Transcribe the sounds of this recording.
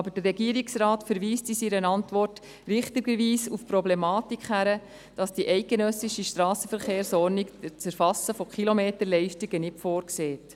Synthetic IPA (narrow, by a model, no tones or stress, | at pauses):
ɑbəd̥əːɛɡiəɾiksrɑːtfəɾʋiːstisiɾənɑntʋɔrt | rɪχtɪɡəɾʋiːsufpɾɔblɛmɑːtikχhæɾə | d̥ɑsd̥iʔɛɪt̚ɡ̥enœsiʃiʃtɾɑːsəfəɾχeːɾsɔɾnikt͡səɾfɑsəfɔkχilomeːtəlɛɪʃtiɡ̥ənɪtfoːɾkseːt